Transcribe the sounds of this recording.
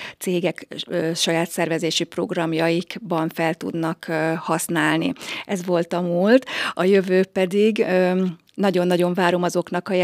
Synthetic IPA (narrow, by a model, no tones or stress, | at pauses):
t̪seːɡɛkːʃɒjaːt̪sɛrvɛzeːʃipro̞̰ɡrɒmjɒjikbɒɱfɛlt̪ṵd̪nɒkhɒsnaːlnḭɛzʋo̞lt̪ɒmult̪ɒjø̞vøːpɛd̪iɡø | nɒɟo̞nːɒɟo̞ɱvaːɾo̞mɒzo̞knɒkɒj